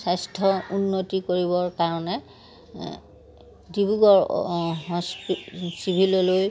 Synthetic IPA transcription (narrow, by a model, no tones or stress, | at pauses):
sajstʰɔunːotikoɹibɔɹkaɹɔnɛ | dibuɡɔɹɦɔssibʱilɔloj